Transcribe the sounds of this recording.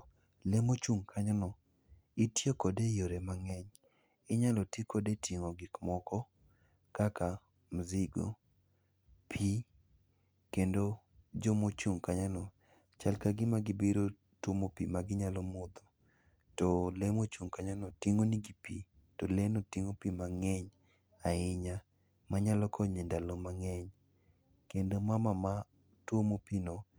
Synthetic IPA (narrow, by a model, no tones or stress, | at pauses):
lemot͡ʃuŋkʰaɲanɔ | ɪtjekɔdejoɾemaŋɛɲ | ɪɲalɔtikodetʰiŋoɡɪkmɔkɔ | kaka | mzɪɡo̰ | pʰi | kendo | d͡ʒomot͡ʃuŋkaɲanɔ | t͡ʃalkaɡɪmaɡɪbiɾo | twomopimaɡɪɲalɔmɔd̪ɔ | tɔlemot͡ʃuŋkaɲanɔtiŋoniɡipi | tolenotiŋopimaŋɛɲ | aɪɲa | maɲalɔkʰɔɲendalomaŋɛɲ | kendomamama | twomopinɔ